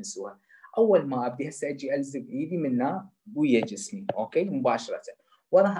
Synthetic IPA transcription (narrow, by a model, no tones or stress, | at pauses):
nsua | ʔawːalmaʔabd̪ihasaʔd͡ʒiʔalzɪɡʕiːd̪imɪnːaɡujad͡ʒɪsmiʔoːkeːmʊbaːʃɑɾˤɑt̪a | wɑɾˤɑħ